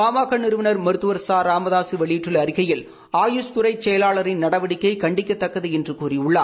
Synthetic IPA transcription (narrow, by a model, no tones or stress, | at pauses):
aːmaːkɐɳnɪɾɯʋɪnɐɾmɐɾɯt̪ːɯʋɐɾsaːɾaːmɐðaːsɯʋɐɭɪjɪʈrɯlɐɾɪɣɐjɪl | aːjuskʊɾɐɪt͡ʃɛjɐlaːɭɐɾɪnnɐɽɐʋɐɽɪkːɐɪkɐɳɖɪkʲːɐt̪ːɐkːɐðɯɛndrɯkuːriʊɭːaː